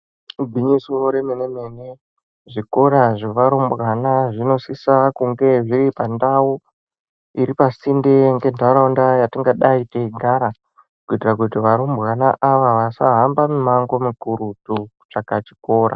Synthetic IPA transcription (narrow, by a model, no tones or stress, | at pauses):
ɡʱiɲisioɾemene̞mene | ʐiko̞ɾaʐeʋaɾombɣanaʐino̞sisakuŋɡe̞ʐiɾipandawu | iɾipasindeŋɡe̞ndauɾaundajatiŋɡaɗaiteiɡʱaɾa | kuitirakutiʋaɾombɣanaʔaʋaʋasaɦambamumaŋɡo̞mikuɾutuut͡ʂakat͡ʃi̥ko̞ːɾa̰